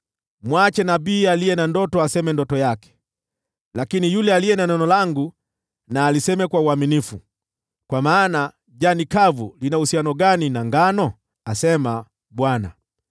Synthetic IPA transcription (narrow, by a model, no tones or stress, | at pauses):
mwat͡ʃɛnabiːalijɛnandɔtɔasɛmɛndɔtɔjakɛ̥ | lakinijulɛalijɛnanɔnɔlaŋɡu | naːlisɛmɛkwauaminifu | kwamaːna | ʄanikavṵlinausianɔɡaninaŋɡanɔ | asɛma | ɓwana̰